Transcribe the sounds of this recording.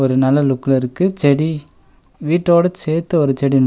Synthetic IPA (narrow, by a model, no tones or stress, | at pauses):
ɔɾɯnɐlːɐlʊkːɯlɐɾɯkːɯt͡ʃɛɽi | ʋiːʈːoːɽɐt͡ʃeːɾt̪ːɐɔɾɯt͡ʃɛɽin